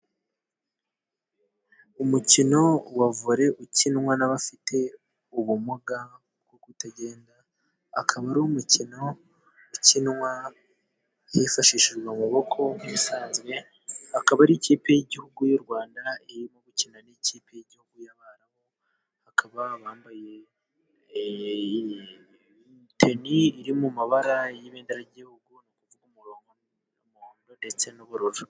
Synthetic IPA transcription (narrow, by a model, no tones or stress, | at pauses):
umucino̞wavuɾe̞ʔucinŋwanaβafitʰe̞ | uβumuɡa | ɡokutaɟe̞ːnda̰ː | kʰaβaɾumucino̞ | ucinŋwa | jefaʃiʃiʒɡwaumuβo̞kʰo̞misaːnzwe̞ | hakaβaɾiciːpejeɟihuɡujoɾɡwaːndaiɾimoɡucinaniciːpʰejeɟihuɡujaβaɾaho̞ | hakaβaβaːmbaje̞ | tʰe̞niːɾimumaβaɾajiβeːndeɾaɟihuɡunokuvuɡomu | muoːndo̞nde̞t͡se̞noβuɾuɾu